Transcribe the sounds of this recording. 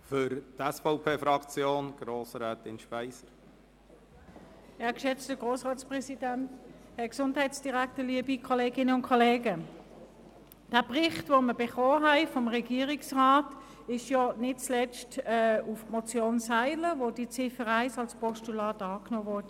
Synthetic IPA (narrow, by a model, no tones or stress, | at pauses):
fʏɾtɛsfɔʊpʰeːfɾɑkt͡sjoːnɡ̥ɾoːsɾɛːtɪnʃpɛɪsəɾ | kʃɛt͡stəɡ̥ʁoːsʁaːtspʁɛsidænthɛɐksʊndhaɪtsd̥iʁæk̚təliːəbikʰɔleːɡɪnəʊnkʰɔleːɡə | d̥æːbʁɪχtvʋoməb̥eχoːɦæɪfɔmʁɛɡiːəʁiksʁaːt | ɪʃjɔnɪt̚t͡slɛt͡stɛːufmɔt͡sjoːnsaɪləʋodit͡sɪfəʁæɪsɑlspʰɔstulɑːtɑːknoːʋɔɐdə